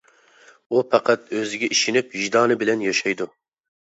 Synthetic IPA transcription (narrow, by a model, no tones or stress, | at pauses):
upʰɑqɑt̪øzɪɡʲɛʔiʃinɪphiʒd̪ɑːnɨbɪlɛnjɑʃɑjd̪u